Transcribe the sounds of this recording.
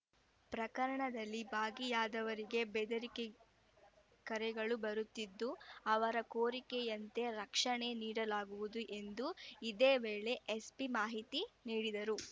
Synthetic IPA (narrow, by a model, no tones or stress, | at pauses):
pɾɐkɐɾɐɳɐd̪ɐlːibaːɡijaːd̪ɐʋɐɾiɡe̞bed̪ɐɾike | kɐɾɛɡɐɭubɐɾut̪ːid̪ːuɐʋɐɾɐkoːɾikɛjɐnt̪e̞ɾɐkʂɐɳe̞niːɽɐlaːɡuʋud̪uʔe̞nd̪uid̪eːʋeːɭe̞ʔespimaːɦit̪iniːɽid̪ɐɾu